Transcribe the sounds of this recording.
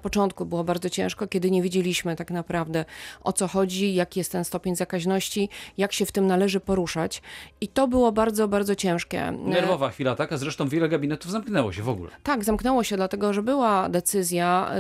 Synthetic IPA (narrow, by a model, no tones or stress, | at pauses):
pɔt͡ʂɔnt̪̚kubɘwɔbaɾd̪zɔt͡ɕɛ̰̃w̃ʂkɔkʲɛd̪ɘɲevʲjed͡ʑelʲiɕmɘt̪aknapɾavd̪ɛʔɔ̰t̪sɔxɔd͡ʑijakʲijɛst̪ːɛnst̪ɔpʲeɲzakaʑnɔɕt͡ɕijakɕɛft̪ɘmnalɛʐɘpɔɾuʂat͡ɕit̪ɔbɘwɔbaɾd̪zɔbaɾd̪zɔt͡ɕɛ̃w̃ʂkʲɛ̰nɛɾvɔvaxfʲilat̪akazɾɛʂt̪ɔ̃w̃vʲjɛlɛɡabʲinɛt̪uvzamknɛwɔ̰ɕɛvɔɡṵlɛ̰t̪aɡzamknɛwɔɕɛd̪lat̪ɛɡɔʐɛbɘwad̪ɛt̪sɘzʲja